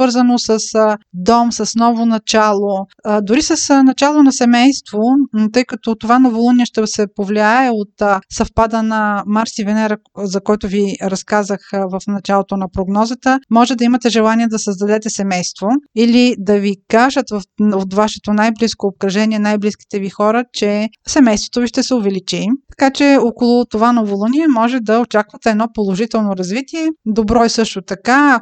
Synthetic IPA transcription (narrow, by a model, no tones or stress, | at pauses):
svɤɾzənosəsd̪ɔmsɐsnɔvonɐt͡ʃalˠod̪ʊɾisəsnɐt͡ʃalˠonɐsɛmɛjst̪vot̪ɤjkɐt̪ot̪ovanɐvolˠuniɛʃt̪ɛsɛpovliaɛot̪sɐfpad̪ənɐmaɾsivɛnɛɾə | zɐkɔjt̪ʊviɾɐskazəxvɐfnɐt͡ʃalˠot̪onɐpɾoɡnɔzət̪əmɔʒɛd̪ɐimɐt̪ɛʒɛlˠaniɛd̪ɐsəzd̪ɐd̪ɛt̪ɛsɛmɛjst̪voilid̪ɐvikaʒət̪vfot̪vaʃɛ̥t̪onajbliskoːp̚kɾɐʒɛniɛnajbliski̥t̪ɛvixɔɾət͡ʃɛ | sɛmɛjst̪vo̥t̪oviʃt̪ɛsɛʊvɛlit͡ʃit̪ɐ̥kat͡ʃɛokolˠʊt̪ovanovolˠuniɛmɔʒɛd̪ɐot͡ʃakvɐt̪ɛːd̪nɔpolˠoʒit̪ɛlˠnoɾɐzvit̪iɛd̪obɾɔɛsɤʃt̪ot̪ɐka